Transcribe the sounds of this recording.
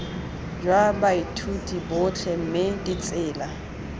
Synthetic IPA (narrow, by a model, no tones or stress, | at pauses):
d͡ʒwabaitʰutʼibʊt͡ɬʰɛm̩mɪdit͡sʼɪːla